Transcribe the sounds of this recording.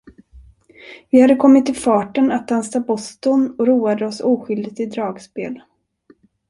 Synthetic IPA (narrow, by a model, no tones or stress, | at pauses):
vɪhad̪ːəkʰɔmːɪt̪ːɪfɑːʈənat̪̚d̪ansabɔst̪ɔnɔɾuːad̪əɔsuːɧʏld̪ɪt̪ɪd̪ɾɑːɡspeːl